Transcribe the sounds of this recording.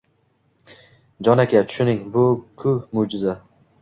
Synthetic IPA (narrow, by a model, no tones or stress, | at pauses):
d͡ʒɒnakʲʰat͡ʃʰʊ̥ʃʊnɪŋbʊkʰʊmod͡ʒɪza